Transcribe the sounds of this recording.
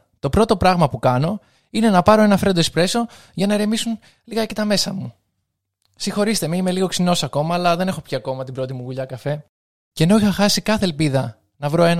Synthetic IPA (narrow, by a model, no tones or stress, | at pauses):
t̪o̞pɾo̞t̪o̞pɾɐɣmɐpukɐno̞ | ine̞nɐpɐɾo̞e̞nɐfɾe̞nd̪ospɾe̞so̞ | ʝɐnɐɾe̞misun | liɣɐecet̪ɐme̞sɐmu | sixo̞ɾist̪e̞meime̞liɣo̞ksino̞sɐko̞mɐːlɐðe̞ne̞xo̞pçiɐko̞mɐt̪ibɾo̞t̪imuɣuʎɐkɐfe̞ | ceno̞ixɐxɐsikɐθe̞ːlpiðɐ | nɐvɾo̞e̞n